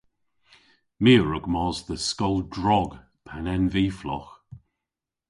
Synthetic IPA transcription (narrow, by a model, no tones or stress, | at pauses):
miːɹʊɡ̥mɔːzðəskɔlˠdɹɔɡ | pʰanɛnviːflɔ̰x